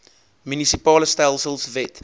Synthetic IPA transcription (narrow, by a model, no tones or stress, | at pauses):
mjunisipɑːləstɛlsəlˠsvɛt